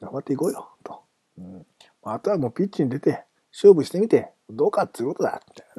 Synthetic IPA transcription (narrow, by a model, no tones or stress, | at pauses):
ɡamat̪ːeiko̞ːjot̪o̥ | ɯ̟̃moːat̪oβamo̞ːpʲitt͡ɕːiɲ̟id̪e̞t̪e̞ | ɕɨːbɯ̟ɕi̥t̪e̞mʲit̪e̞mod̪o̞ːkat̪ːɨijɯ̟kot̪od̪a̰t̪ː